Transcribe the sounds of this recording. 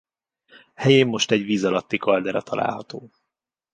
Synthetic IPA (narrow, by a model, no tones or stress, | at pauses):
hɛjeːmːo̞ʃt̪ɛɟʋiːzɒlɒt̪ːikɒld̪ɛɾɒt̪ʰɒla̰ːlɦɒt̪oː